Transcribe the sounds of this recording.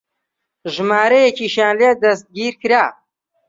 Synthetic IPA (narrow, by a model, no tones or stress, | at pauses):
ʒɨmaːɾɐjekiʃjaːnled̪ɐst̪̚ɡiːɾkɨɾaː